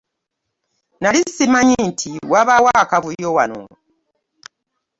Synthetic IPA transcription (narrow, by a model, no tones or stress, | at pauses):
nalisimaɲintʰiwaβawakaβujowa̰no̰